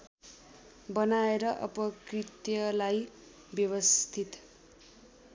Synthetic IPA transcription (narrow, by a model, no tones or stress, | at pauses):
bʌnaeɾʌʔʌ̰pʌkrit̪jʌlaj | bjʌwʌst̪ʰit̪